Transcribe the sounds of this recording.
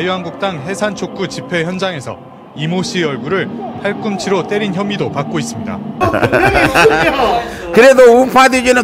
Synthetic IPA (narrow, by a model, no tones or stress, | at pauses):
juɦanɡuk̚t͈aŋɦe̞sʰant͡ɕʰok͈ut͡ɕipʰe̞çjʌnd͡ʑaŋe̞sʰʌ̰ | imoɕʰiʌɭɡuɾɯɭpʰaɭk͈ɯmt͡ɕʰiɾot͈e̞ɾinçjʌmidopak̚k͈ois͈ɯmɲida̰ | kɯɾe̞doumpʰadiɡinɯ